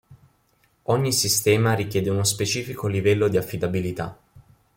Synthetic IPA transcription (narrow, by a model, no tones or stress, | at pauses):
ɔɲːisist̪ɛːmaɾikjɛːd̪eunospet͡ʃiːfikolivɛlːod̪iafːid̪abilit̪a̰